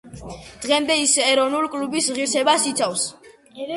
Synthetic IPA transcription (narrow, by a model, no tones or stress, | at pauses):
d̪̥ʁɛmd̪ɛisɛɾɔnulkʼlubisʁiɾsɛbasit̪sʰafs